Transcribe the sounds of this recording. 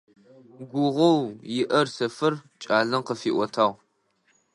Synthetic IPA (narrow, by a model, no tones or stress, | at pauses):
ɡʷʊʁʷɐwjɪʔɐrsɐfɨrt͡ʃʼaːɮɐmqəfiːʔʷɔtʰaːʁ